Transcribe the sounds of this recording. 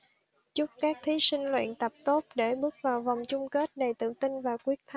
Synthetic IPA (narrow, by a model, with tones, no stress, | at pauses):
t͡ɕʊ˦˥p̚kaː˦˥k̚t̪ʰi˨˦sï˧ŋ̟lwḭ˧˨ənt̪ə˨˩p̚t̪o˦˥t̚ɗe˧˩ɓɨ˦˥ək̚vaː˨˩wva˨˩wŋ͡mt͡ɕʊ˧ŋ͡mke˦˥t̚ɗə˨˩jt̪ɨ̰˧˨t̪ï˧ŋvaː˨˩wkwi˦˥ək̚t̪ʰ